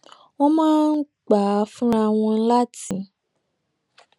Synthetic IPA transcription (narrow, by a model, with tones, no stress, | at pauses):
wɔ̃˦mãː˦n̩˦ | k͡pa˨˦fũ˦a˧w̃ɔ̃˧˦la˦ti˨˦